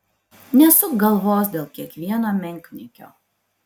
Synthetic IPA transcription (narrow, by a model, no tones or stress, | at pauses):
nʲɛsʊkɡɐlˠʋoːsd̪ʲeːlˠkʲiɛkʋʲiɛnaːmʲɛŋʲkʲnʲɪkʲo̰ː